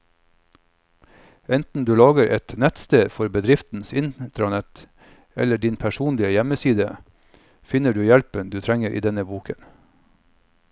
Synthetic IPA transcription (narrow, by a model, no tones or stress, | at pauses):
ɛnt̪n̩d̪ʉːlɑːɡəɾʔɛt̪nɛt̪st̪eːd̪fɔɾbəd̪ɾɪft̪n̩sɪnt̪ɾɑnɛt̪ | ɛ̰ləɖɪnpʰæʃuːnlɪəjɛməsiːd̪ə | fɪnəɖʉːjɛlpənd̪ʉːt̪ʰɾɛŋəɾḭːd̪ɛnəbuːkʰən